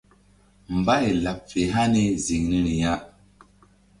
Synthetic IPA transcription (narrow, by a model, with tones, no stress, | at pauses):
m̩˨ba˦e˨la˨p̚fe˨ɦa˦ne˦zi˨ŋni˦ni˨ja˦ʔ